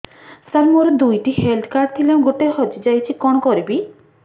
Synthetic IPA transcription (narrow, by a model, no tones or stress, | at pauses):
saɾmɔɾɔd̪ujʈihelɖkaɾt̪ʰilaw̃ɡoʈeɦɔd͡ʒid͡ʒajt͡ʃʰikɔɽ̃ɔkɔɾibi